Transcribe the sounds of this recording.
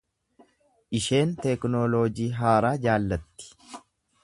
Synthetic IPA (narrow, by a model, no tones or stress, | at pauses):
ʔɪʃe̞ːnt̪ɛknoːloːd͡ʒiːɦaːɾaːd͡ʒaːlːɐt̪ːɪ̥